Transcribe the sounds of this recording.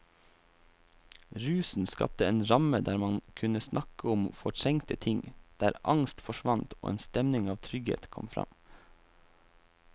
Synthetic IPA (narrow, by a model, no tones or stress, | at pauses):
ɾʉːsn̩skɑ̰p̚t̪əeːnɾɑməd̪æːɾmɑnkʰʉnəsnʔɑkəʊmfɔʈʰɾɛŋt̪ət̪ʰɪŋd̪̥æːɾʔɑŋst̪fɔʃʋɑnt̪ʰo̰ːʔḛːnst̪ɛmnɪŋɑːʋt̪ʰɾʏɡhḛːt̪kʰɔ̰mfɾɑ̰m